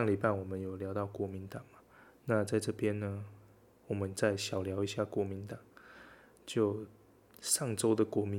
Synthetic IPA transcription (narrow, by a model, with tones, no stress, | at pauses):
ŋli˨˩pa˥˩ɪwɔ˨˩mə˦njo˨˩ʊljɑ˧˦ʊt̪ɑ˥˩ʊkwɔ˧˥mi˧˦nt̪ɑ˨˩ŋma˩ | na˥˧t͡sa˥˧ɪʈ͡ʂɤ˥˩pjɛ˥˦nnə˧ | wɔ˨˩mə˨˦nt͡sa˥˩ɪɕjɑ˨˩ʊljɑ˧˥ʊi˧˥ɕja˥˩kwɔ˧˥mi˧˦nt̪ɑ˨˩˦ŋ | t͡ɕjo˥˩ʊ | ʂɑ˥˩ŋʈ͡ʂo˥ʊd̪ə˨kwɔ˧˥mi˧˦